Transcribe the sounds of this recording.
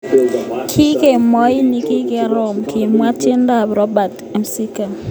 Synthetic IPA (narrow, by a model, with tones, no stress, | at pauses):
kʰi˦ke˨mɔ˦i˦ni˦ki˦kɛ˨ɾɔ˨mki˨mwa˦t͡ʃɪ˦nda˦ɾɔ˦ba˨t | ɛ˨msi˦ka˨